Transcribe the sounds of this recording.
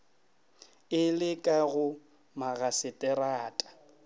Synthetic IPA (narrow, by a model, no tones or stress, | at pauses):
ɪlɪkʼaɣʊ | maɣasɪtʼɛɾaːtʼḁ